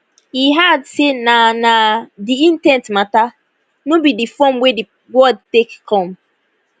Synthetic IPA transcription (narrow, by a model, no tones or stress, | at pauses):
hiɦadsenanadiĩntɛ̃ntmata | nobidifɔ̃mwedi | wɔd̚tekkʰːɔ̃m